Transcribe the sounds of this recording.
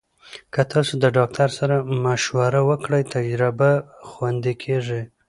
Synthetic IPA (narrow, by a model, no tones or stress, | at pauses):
kət̪ɑsod̪əɖɑk̚t̪ʰaɾsaɾamaʃwaɾawəkɽəjt̪ad͡ʒɾɪbaxwand̪ekʰeʐi